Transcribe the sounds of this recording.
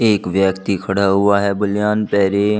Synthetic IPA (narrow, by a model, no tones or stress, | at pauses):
eːkʋjəkt̪ikʰəɽaːɦʊaɦɛːbʊlɪjaːnpɛːɾeː